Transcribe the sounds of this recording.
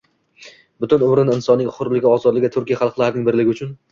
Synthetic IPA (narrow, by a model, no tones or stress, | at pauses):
bʊt̪ʰʊnʊmɾɪnɪnsɒnːɪŋχʊɾlɪɡʲɪɒzɒd̪lɪɡʲɪt̪ʰʊɾkʲijaχɑlˠqlˠaɾanɪŋbɪɾlɪɡʲɪʊt͡ʃʰʊn